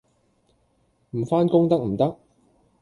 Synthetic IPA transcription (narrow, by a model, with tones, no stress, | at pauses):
m̩˨˩faː˥nkʊ˥ŋt̪ɐ˥k̚m̩˨˩t̪ɐ˥k̚